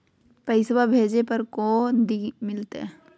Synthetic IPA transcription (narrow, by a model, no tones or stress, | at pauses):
pəɪswabʱeːd͡ʒepɐɾkõːd̪imɪlt̪ḛ